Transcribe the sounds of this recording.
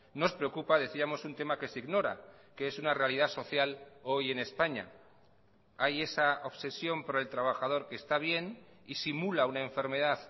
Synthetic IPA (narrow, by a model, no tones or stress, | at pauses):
no̞spɾe̞okupaðe̞θiamo̞sunt̪e̞make̞siɣno̞ɾa̰keesunare̞aliðaso̞θjalo̞je̞ne̞spaɲa̰ | aje̞sao̞βse̞sjo̞mpaɾelt̪ɾaβ̞axaðo̞ɾke̞ːst̪aβ̞je̞nisimulaunae̞ɱfe̞ɾme̞ð̞að